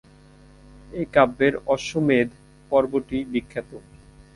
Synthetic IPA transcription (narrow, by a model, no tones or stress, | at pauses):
ejkabːeɾɔʃomed̪ | pɔɾboɾʈibikʰːat̪o